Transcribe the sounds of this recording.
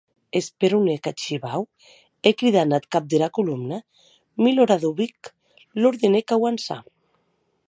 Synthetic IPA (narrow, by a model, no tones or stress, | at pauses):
espeɾunekat͡ʃiβaw | ekɾiðanat̪kap̚d̪elakulumna | miloɾaðoβik | loɾðenekawansa̰